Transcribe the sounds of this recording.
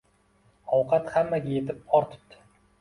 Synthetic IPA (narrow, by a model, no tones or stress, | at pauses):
ɒwqʰɑt̪hamːaɡʲaje̞t̪ʰɪp̚ɒɾt̪ʰʊ̥p̚t̪ʰɪ̥